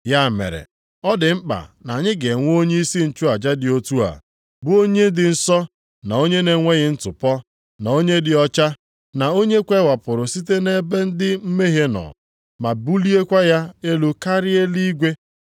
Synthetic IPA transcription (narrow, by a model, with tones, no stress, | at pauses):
ja˦˨mḛ˨ɾḛ˨ | ɔ˦dɪ˨m̩˦k͡pa̰˨na˨ɲɪ˦ɡe˨ŋʷ˦o˦ɲe˦i˦si˦n̩˨t͡ʃu˦a˨d͡ʒa˦dɪ˨o˦tu˦a̰˨ | bʊ˦o˦ɲe˦n̩˦dɪ˨n̩˦sɔ˦ | na˨o˦ɲe˦ne˨ŋʷe˦ɣɪ˦n̩˦tʊ˨pɔ˦ | na˨o˦ɲe˦dɪ˨ɔ˦t͡ʃa˦ | na˨o˦ɲe˦kʷe˦wa˨pʊ˨ɾʊ˨si˦te˦ne˦be˦n̩˦dɪ˦m̩˦me˦ɦe˦nɔ̰˨ | ma˨bu˦li˦e˦kʷa˦ja˦e˦lu˦ka˦ɾɪ˦e˦li˦ɡʷe˦